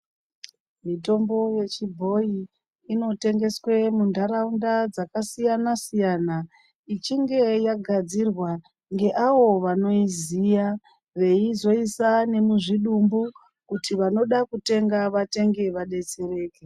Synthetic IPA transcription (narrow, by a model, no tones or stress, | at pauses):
mito̞mbo̞je̞t͡ʃibʱo̞jiː | no̞te̞ŋɡe̞swe̞mundʱaɾaundad͡zakasijanasijana | it͡ʃiŋɡe̞jaɡʱad͡zirwa | ŋɡe̞ʔawo̞ʋano̞izija | ʋe̞izo̞isane̞muʐiɗumbu | kutiʋano̞ɗakute̞ŋɡaʋate̞ŋɡe̞ʋaɗe̞t͡se̞ɾe̞ːke